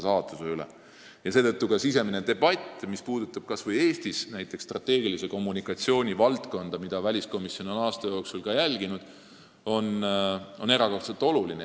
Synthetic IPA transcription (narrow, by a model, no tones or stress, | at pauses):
sɑːt̪ːˑuseylḛ | jɑse̞ːt̪ɤt̪ːukɑsise̞mined̪e̞b̥ɑt̪ʲːˑmispuːd̪̥ut̪ːˑɑb̥kɑsvɤje̞ːst̪isnæjt̪ːˑe̞ksːt̪rɑt̪ːe̞ːɡilise̞ko̞mːunikːˑɑt̪sio̞ːnʲivɑlt̪ko̞nd̪̥ɑmid̪̥ɑvælʲisko̞misjo̞no̞nɑːst̪ɑjo̞ːksulkɑjælʲɡ̥inud̪̥ | o̞no̞ne̞ɾɑko̞rt̪selt̪o̞luline